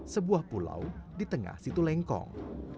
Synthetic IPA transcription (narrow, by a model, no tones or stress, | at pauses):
səbuahpula̰wdit̪əŋa̰hsit̪ulɛŋkɔ̰ŋ